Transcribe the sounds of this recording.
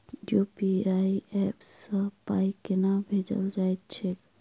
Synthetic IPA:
jupiajɛpsə̃pajkenabʱed͡ʒə̰ld͡ʒajt̪̚t͡ʃʰek

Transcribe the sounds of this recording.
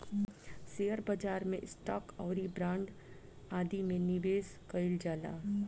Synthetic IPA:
sejəɾbəd͡ʒaːɾmẽɪsʈɔːkɔːɾibɾãːɳɖ | aːd̪imẽnɪʋeːskəɪld͡ʒaːla̰ː

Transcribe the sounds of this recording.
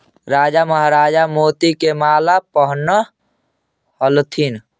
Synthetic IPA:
ɾaːd͡ʒaməɦɾaːd͡ʒamoːt̪ikemaːlapəɦnːə | həlt̪ʰin

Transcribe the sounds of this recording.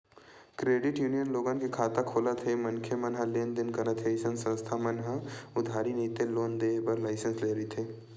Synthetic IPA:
kɾeːɖɪʈjuːnijənloːɡankikʰaːt̪akʰoːlat̪ʰemɐnkʰemɐnɦəleːnd̪ɪnkɐɾat̪ʰeɪsə̃nsə̃st̪ʰamɐnɦəʊd̪ʱaːɾiniːt̪eloːnd̪eːbəɾlaːɪsə̃nsleːɾəɦit̪ʰeː

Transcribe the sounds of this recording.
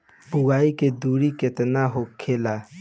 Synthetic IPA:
bʊɡaːiked̪uːɾikɪt̪naɦokʰeːla

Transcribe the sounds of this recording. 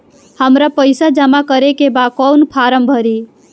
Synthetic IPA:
həmɾapəɪsad͡ʒəmakəɾekebakɔwnpʰaɾəmbʱəɾi

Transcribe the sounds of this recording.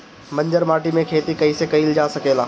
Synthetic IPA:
mɐ̃ɲd͡ʒəɾmaːʈimẽkʰeːt̪ikɐisekɐiːld͡ʒaːsɐkeːlaː

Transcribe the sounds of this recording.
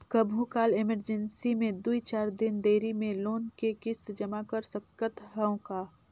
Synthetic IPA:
kəbʱukaːleməɾd͡ʒənsimẽd̪uit͡ʃaːɾd̪ɪnd̪eːɾimẽloːnkekɪst̪d͡ʒɐmakəɾsəkːət̪ɦɛõkaː

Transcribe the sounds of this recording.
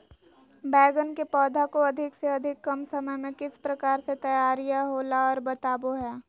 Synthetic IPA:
bɛːɡənkepɔːd̪ʱakoɐd̪ʱɪkseɐd̪ʱɪkːɐmsɐməjmẽkɪspɾɐkaːɾset̪ɐjaːɾijaɦoːlaɔːɾbɐt̪aːboɦɛː

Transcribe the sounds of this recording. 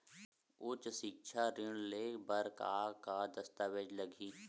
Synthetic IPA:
ʊt͡ʃʃɪkʃʰaɾɪɽ̃lebɐɾka̰ːkad̪ɐst̪aːʋed͡ʒləɡiː

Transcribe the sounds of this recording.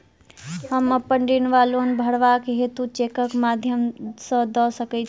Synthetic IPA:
həməpəɳɖinʋalonbʱəɽʋakɦet̪ut͡ʃekəkmad̪ʱjəmsə̃d̪ɔsəkɛt͡ʃʰ

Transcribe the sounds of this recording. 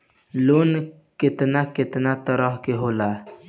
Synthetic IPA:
lon | kɪt̪nakɪt̪nat̪əɾɔɦkeɦoːla

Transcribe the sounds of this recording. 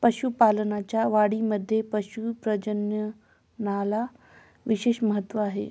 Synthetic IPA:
pəɕupalənat͡ɕjaʋaɽiməd̪ʱːjepəɕupɾəd͡ʑənjə | nala | ʋiɕeːɕməɦət̪ːʋəaɦḛ

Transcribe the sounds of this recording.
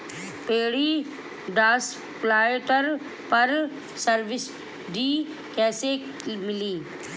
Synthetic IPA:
peːɽiː | ɖaːs | plaːeʈ̪əɾ | pɐɾ | səɾʋɪs | ɖiː | kɛːse | mɪliː

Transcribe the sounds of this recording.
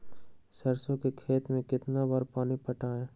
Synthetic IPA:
sɐɾsõkekʰeːt̪mẽkɪt̪nabaːɾpaːnipəʈaːẽː

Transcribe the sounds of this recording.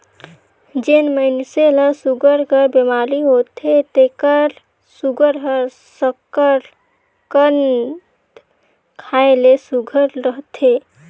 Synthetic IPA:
d͡ʒenməɪnseləsuɡəɾkəɾbemaliɦot̪ʰet̪ekəɾ | suɡəɾɦəɾ | səkəɾ | kən | kʰaelesuɡʱəɾɾəɦt̪ʰe

